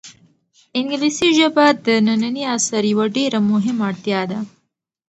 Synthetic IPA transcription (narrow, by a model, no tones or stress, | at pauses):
ɪŋɡlisiʒɐbad̪ənananiasɐɾjawaɖeɾamʊɦɪmaɽt̪jɑd̪a